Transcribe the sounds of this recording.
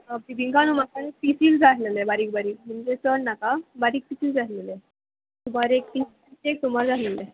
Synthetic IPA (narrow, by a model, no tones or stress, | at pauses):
əpibiŋkanumakaepisild͡zaɦlelebaɾiːk̚baɾiːk̚m̤əɳd͡zet͡səɽnakabaɾiːk̚pisiːld͡zaɦlele | t̪um̤aɾek̚pisiisek̚t̪um̤aɾd͡zalele